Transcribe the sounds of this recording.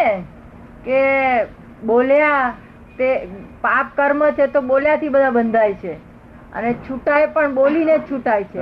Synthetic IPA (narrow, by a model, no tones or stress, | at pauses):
e | ke | bolja | t̪epap̚kəɾmət͡ʃʰet̪oboljat̪ʰibəd̪ʱabənd̪ʱajt͡ʃʰe | ə̰net͡ʃʰuʈajpəɳbolinet͡ʃʰuʈajt͡ʃʰe